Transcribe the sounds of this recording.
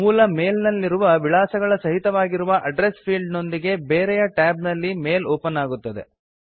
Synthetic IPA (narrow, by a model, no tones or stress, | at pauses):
uːlɐmeːlnɐlːiɾuʋɐʋiɭaːsɐɡɐɭɐsɐɦit̪ɐʋaːɡiɾuʋɐʔɐɖɾespʰiːlɖno̞nd̪iɡe̞beːɾɛjɐʈaːbnɐlːimeːloːpɐnaːɡut̪ːɐd̪e̞̰